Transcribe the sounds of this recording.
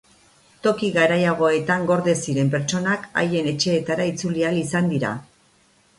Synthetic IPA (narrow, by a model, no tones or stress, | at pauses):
t̪o̞kiɣaɾajaɣ̞o̞e̞t̪aŋɡo̞ɾðe̞siɾe̞mpe̞ɾt͡ʃo̞naka̰je̞ne̞t͡ʃe̞ːt̪aɾait͡sulialisand̪iɾa̰